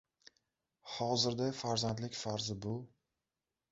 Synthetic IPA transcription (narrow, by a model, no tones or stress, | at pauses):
hɒzɪɾd̪afaɾzant̪lɪkʲfaɾzɪbʊ